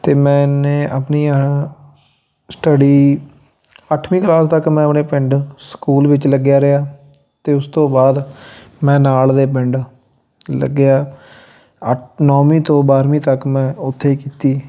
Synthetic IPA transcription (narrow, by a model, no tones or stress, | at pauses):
t̪eːmɛ̃ːneːapniː | sʈəɖiː | əʈʰʋĩːklaːst̪əkmɛ̃ːəpneːpɪ̃ɳɖskuːlʋɪt͡ʃləɡjaːɾɪjaː | t̪eːʊst̪õːbaːd̪mɛ̃ːnaːld̪eːp̬ɪɳɖ | lə̰ɡɪjaː | ənɔːmĩːt̪õːbaːɾʋĩːt̪əkmɛ̃ːʊt̪ʰːeːkiːt̪iː